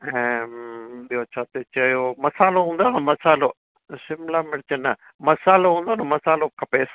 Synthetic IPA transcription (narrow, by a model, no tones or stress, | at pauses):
ɛ̃ | ɗiot͡ʃʰat̪et͡ʃɐjomɐsaːloɦũːnd̪oːnɐmɐsaːlo | ʃɪmlamɪɽt͡ʃənɐ | mɐsaːloɦũːnd̪oːnɐmɐsaːlokʰɐpeːs